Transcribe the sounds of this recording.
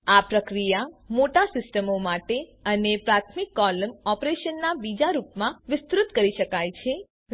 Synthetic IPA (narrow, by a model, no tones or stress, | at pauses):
apɾəkɾijamoʈasɪsʈəmomaʈeənepɾat̪ʰmɪkːɔləmɔpɾeʃənːabid͡ʒaɾupmãʋɪst̪ɾʊt̪kəɾiʃəkajt͡ʃʰe